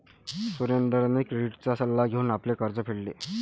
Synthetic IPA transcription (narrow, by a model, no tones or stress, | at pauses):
suɾjend̪əɾnekɾeɖiʈt͡sasəlːaɡʱeuːnaplekəɾd͡zəpʰeɭlḛ